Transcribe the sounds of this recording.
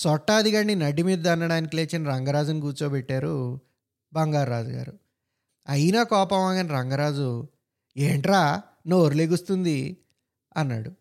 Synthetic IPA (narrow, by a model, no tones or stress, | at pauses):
sɔʈːaːɐd̪ʱiɡɐɳːinɐɖimiːd̪ɐnːɐɽaːnikileːt͡ʃɐniɾɐŋɡɐɾaːd͡ʒuniɡuːt͡ʃoːbɛʈːaːɾu | bɐŋɡaːɾːaːd͡ʒuɡa̰ːɾu | ɐjnaːkɔːpɐmaːɡɐniɾɐŋɡɐɾaːd͡ʒu | eːɳʈɾaː | nooɾuleːɡust̪und̪i | ɐnːa̰ːɽu